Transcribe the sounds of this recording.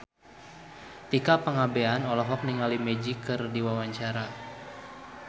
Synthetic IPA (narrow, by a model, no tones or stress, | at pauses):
t̪ikapəŋabeanɔlɔɦɔk̚niŋalimɛd͡ʒikɨrdiwawaɲt͡ʃaɾa